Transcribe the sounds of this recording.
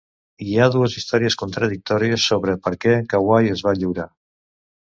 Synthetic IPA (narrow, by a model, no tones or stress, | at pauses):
iaðuəzist̪ɔɾiəskunt̪ɾəðik̚t̪ɔɾiəsːoβɾəpəɾkɛkawajəzβaʎiwɾa